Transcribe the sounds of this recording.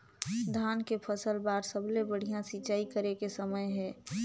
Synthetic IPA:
d̪ʱaːnkepʰəsəlbaːɾsəblebəɽ̤ijãsit͡ʃaːikəɾekesəməjɦɛ̃ː

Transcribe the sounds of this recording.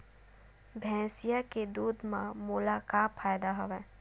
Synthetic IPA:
bʱɛ̃ːsijaked̪uːd̪mãmulakaːfʰaːjd̪aɦoʋɛ̃ː

